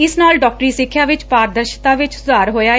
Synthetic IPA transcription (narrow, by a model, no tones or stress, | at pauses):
ɪsnaːlɖɔːk̚ʈɾiːsɪkʰːjaːʋɪt͡ʃpaːɾd̪əɾʃt̪ãːʋɪt͡ʃsʊd̪aːɾɦoːjaː